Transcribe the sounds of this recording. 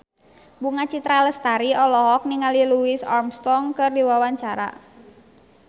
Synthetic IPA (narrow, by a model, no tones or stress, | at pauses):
buŋat͡ʃit̪ɾaləst̪aɾiɔlɔɦɔk̚niŋaliluisa̰rmst̪ɔŋkɨrdiwawaɲt͡ʃaɾa̰